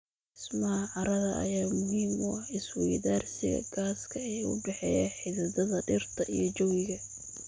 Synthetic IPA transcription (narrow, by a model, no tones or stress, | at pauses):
ɪsmɐhɐʕɑɾɐðɐʔɐ̰jaːmʊɦiːmʊɐɪswɛjðaːrsɪɣɐ̰ɡ̥aːskʰɐɛjʊ̰ɖɛħɛːjaħɪðɐdɐðɐɖɪrt̪ʰɐʔḭjɞt͡ʃɔwɪɣɐ